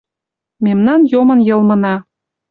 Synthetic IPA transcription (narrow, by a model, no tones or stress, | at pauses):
memnɑnjomɤ̆njɤ̆lmɤ̆nɑ